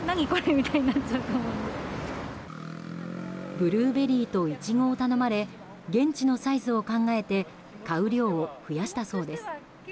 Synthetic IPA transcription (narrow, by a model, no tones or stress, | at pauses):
naɲ̟ikoɾemʲit̪aiɲinat͡ɕːaɯt̪oːmo̞ĩnd̪esɨ | bɯ̟ɾɯ̟ːbe̞ɾʲiːt̪o̞it͡ɕiɡo̞ːt̪ano̞maɾe̞ | ɡẽ̞ɲt͡ɕino̞saizɨo̞kãŋɡae̞t̪e̞ | kaɯ̟ɾʲo̞ːɸɯ̟jaɕi̥t̪aso̞ːd̪e̞sɨ̥